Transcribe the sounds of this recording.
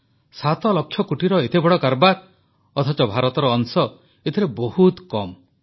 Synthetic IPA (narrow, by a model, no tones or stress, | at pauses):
sat̪ɔlɔkʰːjɔkuʈiɾɔet̪ebɔɽɔkaɾbaɾ | ɔt̪ʰɔt͡ʃɔbʱaɾɔt̪ɔɾɔːŋsɔ | et̪ʰiɾebɔhut̪kɔm